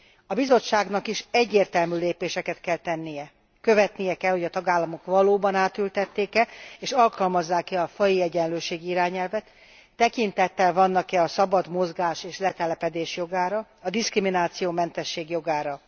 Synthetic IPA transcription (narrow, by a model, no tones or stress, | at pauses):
ɒbizo̞t͡ʃːaːɡnɒkiʃɛɟːeːrt̪ɛlmyːleːpeːʃɛkɛt̪kɛlt̪ɛnːijɛ | kø̞vɛt̪nijɛkɛlho̞ɟɒt̪ɒɡaːlːɒmo̞kʋɒloːbɒnaːt̪ylt̪ɛt̪ːeːkɛeːʃɒlkɒlmɒzːaːkɛɒfɒjiɛɟɛnløːʃeːɡiiɾaːɲɛlvɛt̪ː | ɛkint̪ɛt̪ːɛlvɒnːɒkɛɒsɒbɒd̪mo̞zɡaːʃeːʃlɛt̪ɛlɛpɛd̪eːʃjo̞ɡaːɾɒɒd̪iskriminaːt̪sijoːmɛnt̪ɛʃːeːɡjo̞ɡaːɾɒ